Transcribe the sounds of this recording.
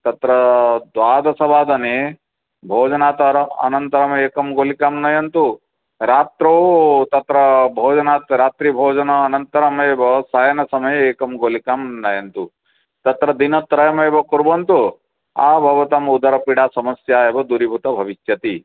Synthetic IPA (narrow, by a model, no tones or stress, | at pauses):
t̪ɐt̪ɾɐd̪ʋaːd̪ɐsɐbaːd̪ɐne | bʱoːd͡ʒɐnaːt̪ɾɐɐ̰nɐnt̪ɐɾɐmeːkɐmɡoːlikaːmnɐjɐnt̪u | ɾaːt̪ɾɐot̪ɐt̪ɾɐbʱoːd͡ʒɐnaːt̪ɾaːt̪ɾibʱoːd͡ʒɐnɐːnɐnt̪ɐɾɐmeːbɐsajɐnɐsɐmɐjeːkɐmɡoːlikamnɐjɐnt̪u | t̪ɐt̪ɾɐd̪inɐt̪ɾɐjɐmeːbɐkuɾbɐnt̪u | a̰ːbʱɐʋɐt̪ɐmud̪ɐɾɐpiɽaːsɐmɐsjaːebɐd̪uɾibʱut̪ɐbʱɐʋiʃjɐt̪i